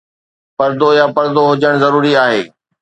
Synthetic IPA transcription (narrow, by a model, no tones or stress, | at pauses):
pɐɾd̪ojapɐɾd̪oɦʊd͡ʑəɽ̃zɐɾuːɾiaːɦeː